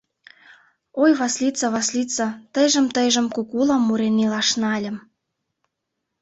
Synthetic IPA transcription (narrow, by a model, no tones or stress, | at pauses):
ojβɑslʲit͡sɑβɑslʲit͡sɑt̪əjʒə̆mt̪ə̆jʒə̆mkukulɑmːuɾenilɑʃnɑlʲə̆m